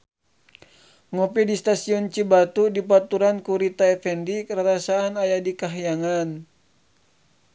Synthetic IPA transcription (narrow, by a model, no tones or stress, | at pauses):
ŋɔpidist̪asiɔnt͡ʃibat̪udip̬at̪uɾankuɾit̪aɛfɛndikəɾaɾasaːnajadikaɦjaŋan